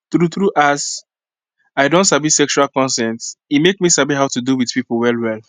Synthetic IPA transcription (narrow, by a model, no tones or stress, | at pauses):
θɹuθɹuʔas | aɪdõntsabisɛkʃualkɔ̃nsɛ̃ntsitmekmisabiɦaʊtuduwiðpipl̩wɛlwɛl